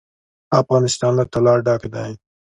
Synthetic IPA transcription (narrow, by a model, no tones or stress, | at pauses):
afɣɑnɪst̪ɑnlat̪alɑɾɖɑked̪an